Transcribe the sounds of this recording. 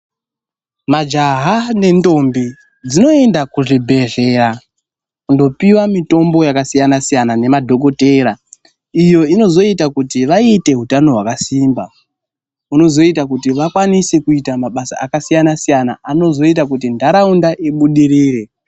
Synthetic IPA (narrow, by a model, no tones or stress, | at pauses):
mad͡ʒaɦane̞ndo̞mbi | d͡zino̞endakuʐibʱe̞ʐe̞ra | kundo̞piwamito̞mbo̞jakasijanasijanane̞madʱo̞ko̞te̞ɾa | ijo̞ino̞zo̞itakutiʋaite̞ɦutano̞ɦwakasiːmba | uno̞zo̞itakutiʋakwanise̞kuitamaɓasa̰ːkasijanasijana̰ano̞zo̞it̬ak̬utindʱaɾaundaʔiɓuɗiɾiːre̞